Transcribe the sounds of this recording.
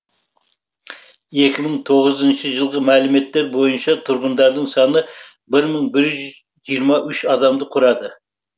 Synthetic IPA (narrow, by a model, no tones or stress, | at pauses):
e̞kʲɪməɴt̪ʰo̞ʁəzənʃəʒəlˠʁəmælɪme̞t̪ːe̞ɾbo̞jənʃɑt̪ʰʊɾʁənd̪ɑɾd̪əɴsɑnə | bɪɾməɴbɪɾʒʏz | ʒijəɾmɑʔʏʃɑd̪ɑmd̪əqʰʊɾɑd̪ə